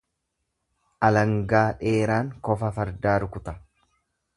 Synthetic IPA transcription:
ʔɐlɐŋɡaːᶑe̞ːɾaːŋkɔfɐfɐɾd̪aːɾʊkʊt̪ɐ

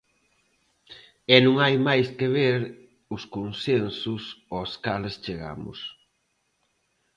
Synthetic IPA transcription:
ɛnũŋajmajskeβeɾ | ʊskonsensʊsoskalest͡ʃeɣa̰mʊ̰s

